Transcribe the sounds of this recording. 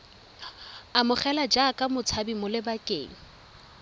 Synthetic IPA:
amʊχɛlad͡ʒakʼamʊt͡sʰabimʊlɪbakʼeːŋ̩

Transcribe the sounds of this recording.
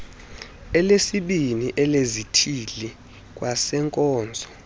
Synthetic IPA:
ɛlesiɓiniʔɛlezitʰili | k̬ʼwasɛŋkʼɔːnd͡zʱɔ

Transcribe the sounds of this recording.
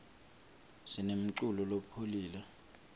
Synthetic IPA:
sinem̩ǀulɔlopʰoliːlɛ

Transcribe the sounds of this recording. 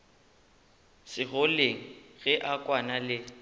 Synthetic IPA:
sɪɣʊleŋ̩ɣɛʔakʼwanalɪ

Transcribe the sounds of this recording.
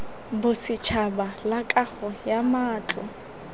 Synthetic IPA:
bʊsɪt͡ʃʰabalakʼaχɔjamaːt͡ɬʼɔ̰

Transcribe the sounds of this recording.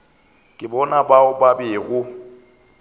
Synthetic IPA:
kʼɪbɔnabaʊbabɪːɣʊ

